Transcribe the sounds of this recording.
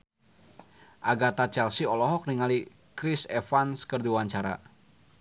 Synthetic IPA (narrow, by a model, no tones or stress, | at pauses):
ʔaɡat̪at͡ʃɛlsiɔlɔɦɔk̚niŋali | kɾisɛfanskərduwaɲt͡ʃaɾa̰